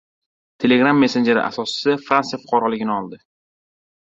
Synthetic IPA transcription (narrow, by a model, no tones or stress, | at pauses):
t̪ʰe̞leɡɾamːe̞se̞nd͡ʒe̞ɾɪ̰ʔa̰sɒsɪ̥sɪfɾansafʊ̥qʰɑɾɒlɪɡʲɪnɪɒlˠd̪ɪ